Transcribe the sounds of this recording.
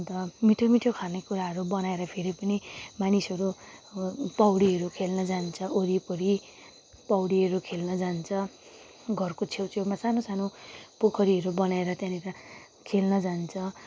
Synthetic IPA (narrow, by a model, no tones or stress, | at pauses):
t̪ʌmiʈʰomiʈʰokʰanekuɾaɦʌɾubʌnaeɾʌpʰeɾipʌnimanisʌɾu | pʌwɽiɦʌɾukʰelnʌd͡zant͡sʰʌʔoɾipʌɾi | pʌwɽiʌɾukʰelnʌd͡zant͡sʰʌ | ɡʱʌrkot͡sʰewt͡sʰewmasanosanopokʰʌɾiʌɾubʌnaeɾʌt̪jãniɾa | kʰelnʌd͡zant͡sʰʌ